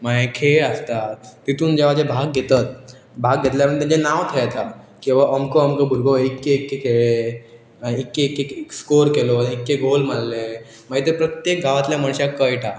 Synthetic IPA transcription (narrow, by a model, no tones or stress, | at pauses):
maɦekʰeəst̪at̪t̪it̪uːnd͡ʑeʋad͡ʑebʱaɡɡʱet̪at̪̚ | bʱaɡ̚ɡʱet̪ljaənt̪ãd͡ʑenaʋt̪ʰejat̪ʰa | kĩw̃ʋaʔəmkəəmkəbʱuɾɡoekːeːkːekeɭe | aikːekːeskoɾkeloaikːeɡʱolmanle | maɡet̪epɾət̪jek̚ɡaʋat̪ljaməɳɕjakːəjʈʰa